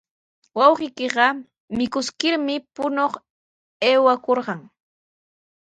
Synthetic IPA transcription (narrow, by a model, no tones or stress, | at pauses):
wɑwɢɪjkɪɢɑ | mɪkʊskɪɾmɪpʊnoχ | eːwakoɾɢɑŋ